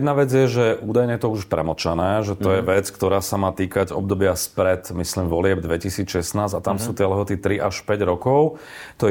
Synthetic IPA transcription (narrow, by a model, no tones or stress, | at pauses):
d̪naʋɛd͡zɪjɛʒɛʔuːd̪ajɲɛjɛt̪ɔuʃpɾɛ̰mɔt͡ʃanɛːʒɛt̪ɔjɛʋɛt͡skt̪ɔɾaːsamaːt̪iːkaɟɔ̰b̚d̪ɔbɪaspɾɛt̪misliːmʋɔlɪɛbd̪ʋɛcisiːt͡sʃɛsnaːzat̪amsuːt̪ɪɛlɛɦɔt̪it̪ɾiʔaʃpɛɟɾɔkɔʊ | t̪ɔ